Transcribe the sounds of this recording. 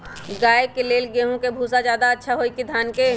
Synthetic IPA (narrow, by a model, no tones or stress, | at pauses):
ɡaːekeleːlɡeːɦõkebʱuːsad͡ʒjaːd̪aɐtːʃʰaɦoːikid̪ʱjaːnke